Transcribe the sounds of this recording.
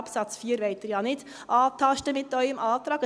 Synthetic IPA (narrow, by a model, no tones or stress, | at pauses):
psɑt͡sfiːəɾʋeɪt̪iɾjɑːnɪd | ʔɑːt̪ʰɑʃtəmɪt̪ːœʏəmʔɑːt̪ɾɑːɡə